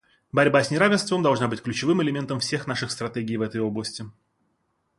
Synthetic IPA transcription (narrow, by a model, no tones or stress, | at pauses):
bɐɾʲbasʲnʲɪɾavʲɪnst̪vəmd̪ɐlˠʐnabɨtʲklʲʉt͡ɕɪvɨmɪlʲɪmʲe̞nt̪əmfsʲe̞xnaʂɨxst̪ɾɐt̪ʲeɡʲɪjvɛt̪əjo̞blˠəsʲtʲɪ